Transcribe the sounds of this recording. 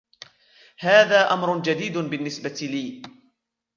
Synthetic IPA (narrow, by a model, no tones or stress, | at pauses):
haːðaːʔamɾʊd͡ʒad̪iːd̪bɪnːɪsbat̪liː